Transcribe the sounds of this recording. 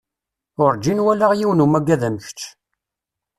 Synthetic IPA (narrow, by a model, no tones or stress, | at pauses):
ʊɾd͡ʒːinwælaʁjiwnumæɡːæðæmçt͡ʃː